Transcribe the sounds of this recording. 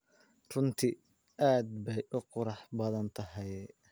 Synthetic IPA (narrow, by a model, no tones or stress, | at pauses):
rʊnt̪ʰɪ | ʔaːd̪bɛjʔʊqʊɾɑħbɐðɐnt̪ʰɐɦɛj